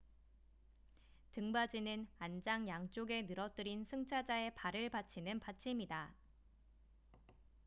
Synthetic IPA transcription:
tɯŋbad͡ʑinɯnand͡ʑaŋjaŋt͡ɕ͈oɡe̞nɯɾʌt͈ɯɾinsʰɯŋt͡ɕʰad͡ʑae̞paɾɯɭpat͡ɕʰinɯnpat͡ɕʰimida

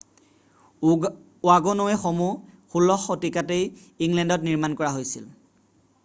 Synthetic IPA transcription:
waɡɔnowɛxomuxulːɔxːotikatej | iŋlɛndɔtniɹmankɔɹaɦojsḭl

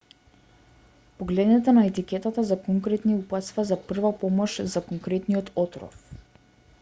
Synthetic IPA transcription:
pɔɡlɛd̪nɛt̪ɛnaɛt̪ikʲɛt̪at̪azakɔŋkɾɛt̪niupat̪st̪vazapr̩vapɔmɔʃzakɔŋkɾɛt̪nijɔt̪ʰɔt̪ɾɔ̰f

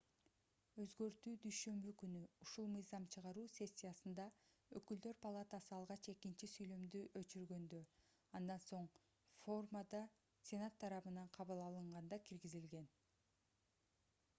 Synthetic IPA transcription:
øzɡø̞ɾt̪yːd̪yjʃø̞mbykynyuʃulˠmɯjzɑmt͡ʃʰɯʁɑɾuːsʲe̞sʲːijasɯnd̪ɑ | økyld̪ø̞ɾpʰalˠat̪ɑsɯɑlˠʁɑt͡ʃe̞kint͡ʃisyjlø̞md̪yʔøt͡ʃyɾɡø̞nd̪ø̞ | ɑnd̪ɑnso̞ɴ | fo̞rmad̪ɑ | sʲe̞nat̪ʰːɑɾɑβɯnɑɴqʰɑβɯlˠɑlˠɯɴʁɑnd̪ɑkiɾɡizilɡe̞n

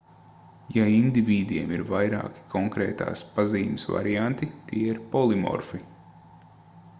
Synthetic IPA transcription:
jaind̪ivʲiːd̪ʲiɛmiɾvajɾa̰ːki̥kʰɔŋkɾḛːt̪a̰ːspaziːmɪsva̰ɾijant̪it̪iɛiɾpɔlˠimɔ̰ɾfi

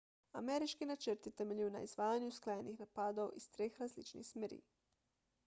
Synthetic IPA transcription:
a̰meɾit͡ʃkinat͡ʃəɾt̪it̪emeʎuna̰izʋaːjaɲusklˠajenixnapaːd̪oo̰ʔist̪ɾeːxɾazlit͡ʃnḭxsmeɾḭː

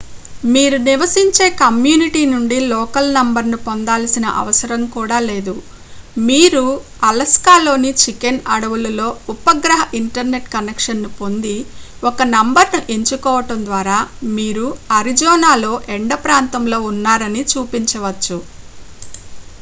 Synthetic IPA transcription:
miːɾuniʋɐsiɲt͡ʃe̞ːkɐmjuːniʈiːnuɳɖilɔːkɐlnɐmbɐɾnupond̪aːlɐsinɐ̰ʔɐ̰ʋɐsɐɾɐmkuːɽaːle̞ːd̪u | miːɾu | ɐlɐskaːlo̞ːnit͡ʃikenɐɽɐʋulɐlo̞ːupɐɡɾɐɦɐʔiɳʈɐɾne̞ʈkɐnekʂɐnːupo̞nd̪iɔkɐnɐmbɐɾnuʔeɲt͡ʃukɔːʋɐʈɐnd̪ʋaːɾaːmiːɾuɐɾid͡ʒɔːnaːlo̞ːʔeɳɖɐpɾaːnt̪ɐmlo̞ːunːaːɾɐnit͡ʃuːpiɲt͡ʃɐʋɐt͡ʃːu

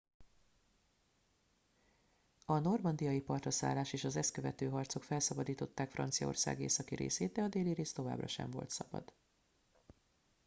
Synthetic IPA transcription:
ɒno̞rmɒnd̪ijɒjipɒrt̪rɒsa̰ːlːaːʃeːʃɒzɛst̪køvɛt̪øːɦɒrt̪so̞kfɛlsɒbɒd̪iːt̪o̞t̪ːaːkfrɒ̰nt̪sijɒ̰o̞̰rsa̰ːɡḛːsɒkiɾḛːseːd̪̚d̪ɛɒd̪eːliɾeːst̪o̞va̰ːbrɒʃɛ̰ɱvo̞̰lt̪sɒbɒ̰d̪̥

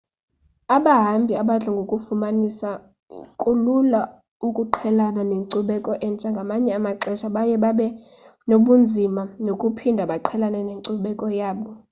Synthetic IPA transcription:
aɓaɦambʱiaɓaɮʱaŋɡʱokʼufumanisa̰ | kʼulula | ukʼuǃʰɛlananeǀuɓɛkʼɔʔɛnt͡ʃʼaŋɡʱamaɲɛamaǀɛʃaɓajɛɓaɓɛ | noɓund͡zʱimanokʼupʰindʱaɓaǃʰɛlananeǀuɓɛkʼɔjaːɓɔ

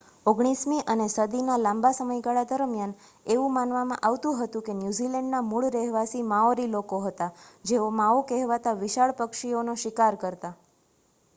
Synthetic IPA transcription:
oɡɽ̃ismiʔənesəd̪inalãmbasəməjɡaɭad̪əɾmjan | eʋũmanʋamã̰ʔaʋt̪ũɦət̪ũkenjuzilɛɳɖnamuɭɾɛɦʋasimãoɾilokoɦət̪ad͡ʒeomaokɛɦʋat̪aʋɪʃaɭpəkʃionoʃɪkaɾkəɾt̪a

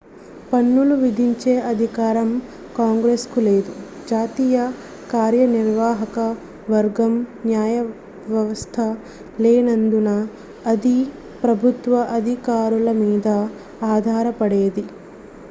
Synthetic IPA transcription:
pɐnːuluʋid̪ʱiɲt͡ʃeːʔɐd̪ʱikaːɾɐm | kaːŋɡɾeːskule̞ːd̪u | d͡ʒaːt̪iːjɐ | kaːɾjɐniɾʋaːɦɐkɐ | ʋɐɾɡɐmnjaːjɐ | ʋjɐʋɐst̪ʰɐ | leːnɐnd̪unɐː | d̪i | pɾɐbʱut̪ʋɐʔɐd̪ʱikaːɾulɐmiːd̪ɐ | aːd̪ʱaːɾɐpɐɽeːd̪i

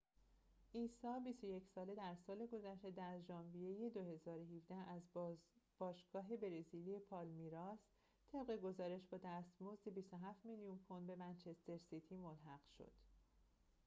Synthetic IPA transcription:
ʔiːsɒːbist̪o̞je̞cʰsɒːle̞d̪æɾsɒːle̞ɡo̞zæʃt̪e̞d̪æɾʒɒːnvije̞je̞d̪o̞ɦe̞zɒːɾoɦivd̪æhæzb̥ɒːʃɡ̥ɒːɦe̞be̞ɾeziliepʰɒːlmiɾɒːs | t̪ʰe̞bɣe̞ɡo̞zɒːɾe̞ʃbɒːd̪æst̪mo̞zd̪ebist̪o̞ɦæft̪milijunkʰo̞nd̪be̞mænt͡ʃʰe̞st̪e̞ɾsit̪ʰiːmolɦæɢ̥ʃo̰d̪̥

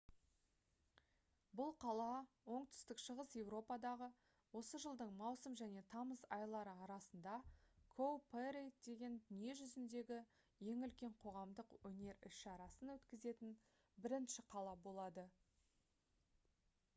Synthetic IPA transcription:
bʊlˠqʰɑlˠɑ | wo̞ɴt̪ʏ̥st̪ɪkʃəʁəsje̞wɾo̞pɑd̪ɑʁə | wo̞səʒəlˠd̪əɴmɑwsəmʒæne̞t̪ʰɑməzɑjlˠɑɾəɑɾɑsənd̪ɑkʰowpʰeɾejt̪d̪e̞ɡʲe̞nd̪ʏnije̞ʒʏzɪnd̪e̞ɡʲɪ | je̞ŋʏlkʲe̞ɴqʰo̞ʁɑmd̪əqwɵne̞ɾɪ̰ʃʃɑɾɑsənwɵt̪kʲɪze̞t̪ɪn | bɪɾɪnʃɪqʰɑlˠɑbo̞lˠɑd̪ə

